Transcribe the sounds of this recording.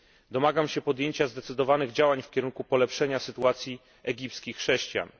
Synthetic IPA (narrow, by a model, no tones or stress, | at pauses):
d̪ɔmaɡamɕɛpɔd̪jeɲt͡ɕazd̪ɛt̪sɘd̪ɔvanɘɣd͡ʑawaɲfkʲɛɾuŋkupɔlɛpʂɛɲasɘt̪uat̪sʲji | ɛɡʲip̚t̪skʲixːʂɛɕt͡ɕja̰n